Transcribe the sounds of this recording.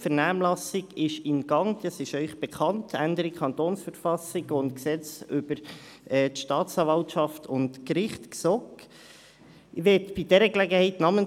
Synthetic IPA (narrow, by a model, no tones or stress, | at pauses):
fɛʁnæːmlɑsɪɡɪʃɪnɡ̥ɑŋdɑsɪʃœʏχb̥ɛkʰɑntʰændəɾikʰχɑntoːnsfəɾfɑsɪɡʊntksɛt͡sʏb̥əɾ | ɛːtʃtɑːtt͡sɑːvɑltʃɑftʰʊntkɾɪχtksɔk | ʋɛtb̥idɛɾəɡlɛɡəhɛɪtnɑːmən